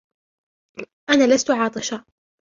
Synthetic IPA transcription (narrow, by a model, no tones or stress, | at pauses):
ʔanaːlast̪ʊʕɑːt̪ˤɨʃa